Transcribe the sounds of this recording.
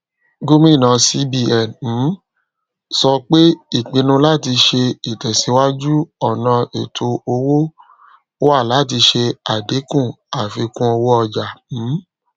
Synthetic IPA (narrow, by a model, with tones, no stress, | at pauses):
ɡo˦mĩ˦˨nã˨˧si˦bi˧˨ɛ˨ñ̩˨˦ | sɔ˧k͡pe˦i˦˨k͡pĩ˧nũ˧la˦˨ti˧ʃe˧i˨tɛ˨se˨˧˦wa˦d͡ʒu˦ɔ˦˨nã˧e˨tʰo˧o˧wo˦ | o˦a˦˨la˨˦˨t̬i˧ʃe˧a˨de˨˦kũ˦˨ | a˨fi˧kũ˦ɔ˧wo˦ɔ˧d͡ʒa˨n̩˨˦